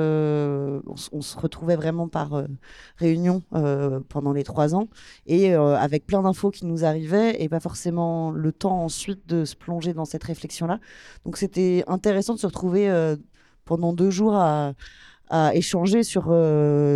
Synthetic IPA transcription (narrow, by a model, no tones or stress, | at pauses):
ø | ɔ̰̃ɔ̰̃sə̥ʁət̪χuvɛvʁɛmɑ̃pa̰ʁøʁeynjɔ̃øpɑ̃d̪ɑ̃let̪χwazɑ̃eøa̰vɛk̚plɛ̃d̪ɛ̃fokʲinuzaʁivɛepafɔʁsemɑ̃lət̪ɑ̃ɑ̃sɥit̪̚d̪əsə̥plɔ̃ʒed̪ɑ̃sɛt̪ʁeflɛksjɔ̃lad̪̥ɔ̃kset̪ɛɛ̃t̪eʁesɑ̃d̪əsəʁət̪χuveø | pɑ̃d̪ɑ̃d̪øʒuʁaː | eʃɑ̃ʒesyʁø